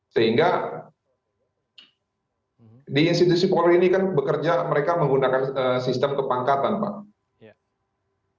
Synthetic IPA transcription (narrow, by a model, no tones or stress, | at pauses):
səɦiŋɡa | diːnst̪it̪usipolɔinikanbəkərd͡ʒaməɾekaməŋɡunakanəsist̪əmkəpaŋkat̪anpa̰ʔ